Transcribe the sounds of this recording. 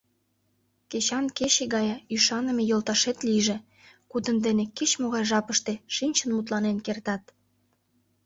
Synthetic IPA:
ket͡ɕɑnkeɕeɣɑjɑyʃɑnə̆me̽jolˠt̪ɑʃet̪liʒe | kud̪ənd̪enekit͡ɕmoɣɑjʒɑpəʃt̪eʃinʲt͡ɕənmut̪̬lɑnenkert̪ɑt̪

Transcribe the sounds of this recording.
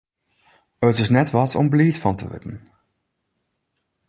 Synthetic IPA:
ətɪsnɛtʋɑtʰɔ̰mbliːtfɑntə̰ʋɪ̰dən

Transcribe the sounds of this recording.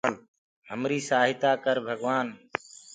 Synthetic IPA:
n | ɦəmɾiːsaːɦɪt̪aːkəɾbʱəɡʋaːn

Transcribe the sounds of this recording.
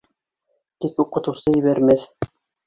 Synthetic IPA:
t̪ikuqɤ̆t̪ɤ̆wsɤjɘ̆βæɾmæθ

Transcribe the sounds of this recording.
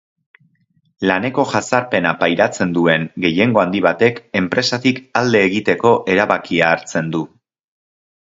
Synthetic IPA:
lane̞ko̞ʝasaɾpe̞napajɾat͡se̞nd̪ue̞ŋɡe̞je̞ŋɡo̞and̪iβ̞at̪e̞ke̞mpɾe̞sat̪ikald̪e̞ːɣit̪e̞ko̞ʔe̞ɾaβakiaːɾt͡se̞nd̪u

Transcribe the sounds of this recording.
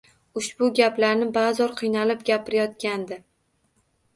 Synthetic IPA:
ʊʃbʊɡʲaplaɾnɪbazɒɾqʰɨjnalɪp̚ɡʲapʰɪɾajɒt̪ɡʲand̪ɪ

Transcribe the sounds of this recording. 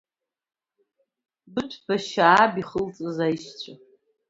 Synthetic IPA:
bɨtʷʰbaʃaːbiχəlt͡sʼɨzajʃt͡ɕʷʰa

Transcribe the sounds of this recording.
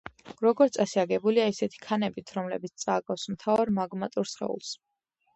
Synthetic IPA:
ɾɔɡɔɾt̪sʼasiaɡɛbuliaisɛt̪ʰi̥kʰanɛbit̪ʰɾɔmlɛbit̪st̪sʼaːɡafsmt̪ʰavaɾmaɡmat̪ʼuɾsχɛ̰ṵlˠs

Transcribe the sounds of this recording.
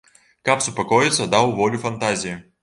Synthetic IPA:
kapsʊpakɔjɪt̪sɐd̪awvɔlʲifɐnt̪azʲiji

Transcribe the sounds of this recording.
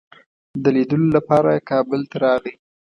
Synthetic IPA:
d̪əlid̪əlolapɑɾakɑbəlt̪aɾɑɣi

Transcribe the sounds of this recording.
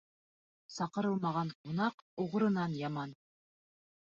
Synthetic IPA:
sɑqɤ̆ɾɤlˠmɑʁɑɴqunɑquʁɤ̆ɾɤ̆nɑnjɑmɑn

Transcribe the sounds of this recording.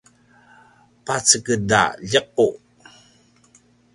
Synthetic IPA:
pat͡səkəda̰ʎəq̚u

